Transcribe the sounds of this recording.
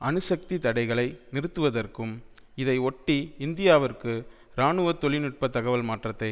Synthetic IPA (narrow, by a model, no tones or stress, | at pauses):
ʔɐnɯsɐk̚t̪it̪ɐɽɐɪɣɐɭɐɪnɪrɯt̪ːɯʋɐðɐrkɯm | ɪðɐɪɔʈːiɪnd̪ɪjaːʋɐɾkɯ | ɾaːɳɯʋɐt̪ːɔɭɪnɪʈ̚pɐt̪ːɐɣɐʋɐlmaːʈrɐt̪ːɐɪ